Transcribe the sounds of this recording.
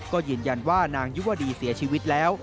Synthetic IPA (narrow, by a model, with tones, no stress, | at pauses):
kɔː˥˩jɯː˧˩nja˧nwaː˥˩naː˧ŋju˦˥wa˧˩diː˧si˨˩˦ɐt͡ɕʰiː˧wi˦˥t̪̚lɛː˦˥w